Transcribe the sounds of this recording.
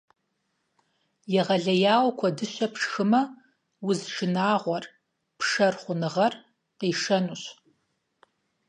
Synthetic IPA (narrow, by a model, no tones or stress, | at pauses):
jɛʁɐɮɐjaːwkʷʰɔdɨɕɐpʂxɨmɐ | wʊzʒɨnaːʁʷɔr | pʂɐrχʷʊnɨʁɐr | qiːʂɐnuɕ